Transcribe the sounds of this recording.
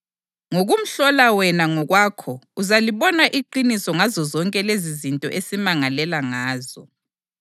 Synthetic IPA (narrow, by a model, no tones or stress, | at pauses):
ŋoɣum̩ɬɔlawɛnaŋɔɣwaːkʰɔuzaliβɔnaʔiǃinisɔŋazɔzɔŋkʼɛlezizintʼɔ̰ʔesimaŋalɛlaŋaːzɔ